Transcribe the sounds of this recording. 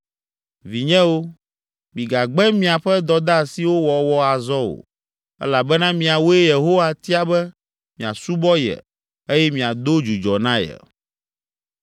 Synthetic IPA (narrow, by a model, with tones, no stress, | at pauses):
vi˨ɲɛ̃˦wo˦ | mĩ˨ɡa˨ɡ͡bɛ˦mĩ˦a˨ɸɛ˦d̪ɔ˨d̪a˦˨si˨wo˦wɔ˨wɔ˦a˨zɔ˦wo̰˨ | ɛ̰˦la˨bɛ˦nã˦mĩ˨a˨wo˦ɛ˦je˨ɦo˦wa˨t̪i˦a˨bɛ˦ | mĩ˨a̰˨su˦bɔ˦jɛ̰˨ | e˦jɛ˦mĩ˨a˨d̪o˦d͡ʒu˨d͡ʒɔ˨nã˦jɛ̰˨